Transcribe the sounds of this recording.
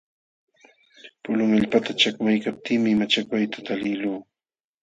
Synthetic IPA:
pʊlʊŋaʎpat̪at͡ʃakmajkap̚t̪ʰɪːmɪmat͡ʃakwajt̪ḁt̪alɪluː

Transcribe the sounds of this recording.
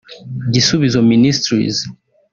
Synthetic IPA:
ɟisuβizɔministɾḭz

